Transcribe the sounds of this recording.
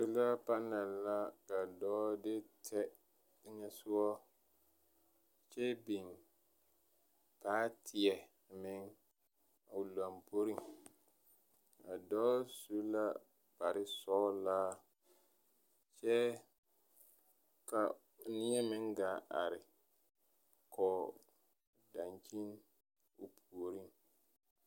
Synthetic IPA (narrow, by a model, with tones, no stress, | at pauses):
su˦la˦pa˦na˨la˦ka˨dɔː˦dɪ˦tʰɛ˦ | ɲɛ˦sʊ˦wɔ˦ | t͡ʃɛ˦bi˨n | paː˦tʰɪ˨ɛ˨ | mɪ˦ŋ | a˨la˨mpo˦ɾi˨ŋ | a˨dɔ˦su˦la˦ | b̥a˨ɾɪ˦sɔː˦laː˦ | t͡ʃɛ˦ | ka˨ | nɪ˦ɛ˦mɪ˦ŋɡa˨˦ʔa̰˨ɾɪ˨ | kʰɔː˨ | da˨nt͡ʃi˦n | o˨pʰu˨o˨ɾi˦ŋ